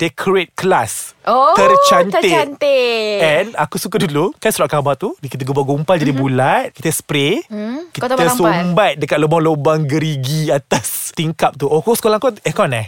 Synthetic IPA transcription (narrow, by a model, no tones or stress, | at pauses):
dɛkʰɾet̪̚kəlasot̪ərt͡ʃaneɛnakusuk̬adulukansuɾaʔkabaʔt̪udikit̪əɡubaɡumpald͡ʒadibulat̪̚ki̥t̪əspɾekit̪əsummbat̪̚dəkat̪̚ləbɔlobaŋɡəɾiɡiat̪ast̪iŋkap̚t̪uʔokosə̥kolãŋkɔɛkɔnah